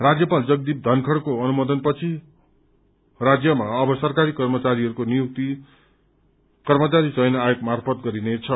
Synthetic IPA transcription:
rad͡zjʌpald͡zʌɡ̚d̪ip̚d̪ʱʌnkʰʌɽkoʌnumʌd̪ʌnpʌt͡sʰi | rad͡zjʌmaʌbʌsʌrkaɾikʌrmʌt͡saɾiɦʌɾukonijuk̚t̪i | kʌrmʌt͡saɾit͡sʌjnʌajok̚marpʰʌt̪̚ɡʌɾinet͡sʰʌ

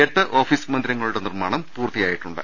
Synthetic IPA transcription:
ɐɾt̪ːɐʔo̞ːfismɐnd̪iɾɐŋːɐɭuɽe̞nirmaːɳɐmpuːrt̪ːijaːjiʈːuɳɖɨ̰

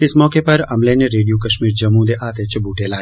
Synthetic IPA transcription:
ɪsmɔːkepɐɾɐmleneɾeːɖijokɐʃmiːɾd͡ʒɐmũd̪eʔaːt̪et͡ʃɐbuːʈʰelaːe

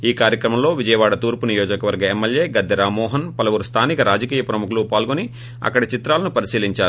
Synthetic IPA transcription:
iːkaːɾjɐkɾɐmɐmlo̞ːʋid͡ʒɐjɐʋaːɽɐt̪uːɾpunijoːd͡ʒɐkɐʋɐɾɡɐemːelje̞ːɡɐd̪ʱːɐɾaːmɔːɦɐnpɐlɐʋuɾust̪ʰaːnikɐɾaːd͡ʒɐkiːjɐpɾɐmukulupaːlɡoni | ɐ̰kːɐɽɐt͡ʃit̪ɾaːlɐnupɐɾisiːliɲt͡ʃaːɾu

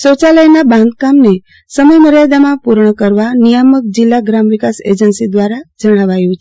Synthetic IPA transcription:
sot͡ʃaləjnabãnd̪̚kamne | səməjməɾjad̪amãpuɾɳəkəɾʋanijəmək̚d͡ʒilːaɡɾamʋikasḛd͡ʒənsid̪ʋaɾad͡ʒəɽ̃aʋajũt͡ʃʰ

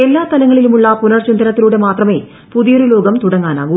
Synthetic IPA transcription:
e̞lːaːt̪ɐlɐŋːɐɭilumuɭːɐpunɐrt͡ɕind̪ɐnɐt̪ːiluːɽe̞maːt̪rɐme̞ː | puðijrulo̞ːɡɐmt̪uɽɐŋːaːna̰ːɡu

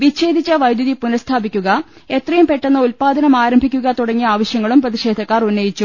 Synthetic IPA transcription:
ʋiɕe̞ːd̪ʱit͡ɕːɐʋɐjd̪jɐðipunɐst̪ʰaːbikʲːuɣɐ | et̪rɐjumpe̞ʈːenːɐulpaːd̪ʱɐnɐmaːɾɐmbʱikʲːuɣɐt̪uɽɐŋːiaːʋɐɕjɐŋːɐɭumprɐðiʂe̞ːd̪ʱɐkːaːrunːɐjit͡ɕːu

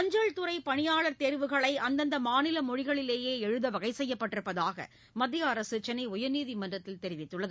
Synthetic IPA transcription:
ɐɲd͡ʒɐɻt̪ɯrɐɪpɐɳɪjaːɭɐɾt̪eɾʋɯɣɐɭɐɪʔɐnd̪ɐnd̪ɐmaːnɪlɐmɔɻɪɣɐɭɪleːjeːɛɻɯðɐʋɐɣɐɪsɛjːɐpːɐʈːɪɾɯpːɐðaːɣɐ̰ | mɐd̪ːɪjɐɐɾɐsɯt͡ʃːɐnɐɪʊjɐniːðimɐndrɐt̪ːɪlt̪ɛɾɪʋɪt̪ːɯɭːɐðɯ

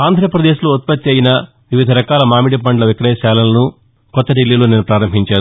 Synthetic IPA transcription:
aːnd̪ʱɾɐɐpɾɐd̪eːʃuloːt̪̚pɐt̪ːjɐjinɐ | ʋiʋid̪ʱɐɾɐkaːlɐmaːmiʈipɐɳɖlɐʋikɾɛːjɐsaːlɐlɐnu | kɔt̪ːɐɖilːiːloːnenupɾaːɾɐmbʱiɲt͡ʃaːɾu

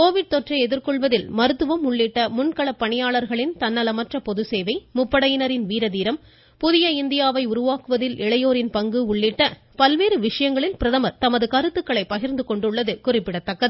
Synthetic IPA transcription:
koːʋɪɽ̚t̪ɔʈrɐɪɛðɪɾkɔɭʋɐðɪlmɐɾɯt̪ːɯʋɐmʊɭːiʈːɐmʊnkɐɭɐpːɐɳɪjaːɭɐɾɣɐɭɪnt̪ɐnːɐlɐmɐʈrɐpɔðɯseːʋɐɪmʊpːɐɽɐjɪnɐɾɪnʋiːɾɐðiːɾɐm | pʊðɪjɐɪnd̪ɪjaːʋɐɪʊɾʊʋaːkɯʋɐðɪlɪɭɐjoːɾɪnpɐŋɡɯʊɭːiʈːɐ | pɐlʋeːɾɯʋɪʂɐjɐŋɡɐɭɪlpɪɾɐðɐmɐɾt̪ɐmɐðɯkɐɾɯt̪ːɯkːɐɭɐɪpɐɣɪɾnd̪ɯkɔɳɖɯɭːɐðɯkʊrɪpːɪɽɐt̪ːɐkːɐðɯ

